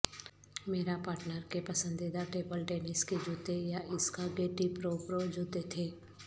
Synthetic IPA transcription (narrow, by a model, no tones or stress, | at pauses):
meːɾapaːɾʈnəɾkepɐsə̃nd̪id̪aʈeːbəlʈeːnɪsked͡ʒʊːt̪ejaʔɪskaɡeːʈipɾoːpɾod͡ʒʊt̪et̪ʰeː